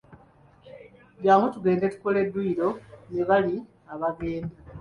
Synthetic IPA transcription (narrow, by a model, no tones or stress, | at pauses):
ɟjaːmutuɡe̞ːnde̞tu̥ko̞le̞dːuːɾo̞neβali | aβaɡe̞ːnda